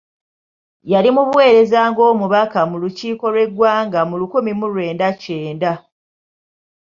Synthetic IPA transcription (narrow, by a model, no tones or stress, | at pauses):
jalimuβwe̞ːɾe̞zaŋɡo̞ːmuβakamuluciːko̞lwe̞ɡwaːŋɡamulukumimulwe̞ːndaceːnda